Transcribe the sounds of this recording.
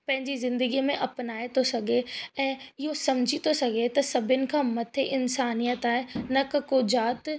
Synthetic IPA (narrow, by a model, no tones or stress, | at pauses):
pɐ̃ɦɪ̃ɲd͡ʑizɪ̃nd̪əɡimẽʔɐpnaːet̪ʰosɐɡʱeɛ̃ːɪɦosɐmd͡ʑʱit̪osɐɡʱet̪ɐsɐbʱɪnɪ̆kʰãːmɐt̪ʰeʔɪnsaːnijət̪aːɦenɐkɐkoːd͡ʑaːt̪